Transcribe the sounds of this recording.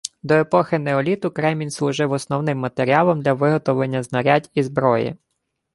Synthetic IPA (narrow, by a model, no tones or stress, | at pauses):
d̪ɔepɔxɪnɛɔlʲit̪ʊkɾɛmʲinʲslˠʊʒɪwɔsnɔwnɪmːɐt̪eɾʲiɑlˠɔmd̪lʲɐʋɪɦɔt̪ɔʋlˠenʲːɐznɐɾʲadʲizbɾɔjḭ